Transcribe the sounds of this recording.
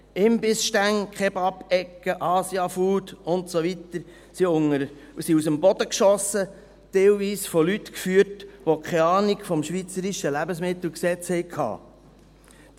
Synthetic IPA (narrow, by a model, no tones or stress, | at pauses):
ɪmbɪsʃtæŋkʰχɛbɑpɛkːəʔɑːsjɑfuːd̪ʊntsoʋit̪əɾ | siʊŋə | siusəmbɔd̥̪əkʃɔsə | t̪ɛlviːsfɔlytkfyːətʋokʰɛɑːnikfɔmʃʋit͡səɾiʃəlæbəsmɪt̪l̩ksɛt͡shɛɪkʰɑ̰ː